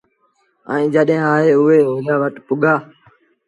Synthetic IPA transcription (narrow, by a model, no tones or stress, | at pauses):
ə̰̃ĩːd͡ʒəɗɦẽaːɦeːʊɦeːɦoːlaːʋəʈpʊɠʱaː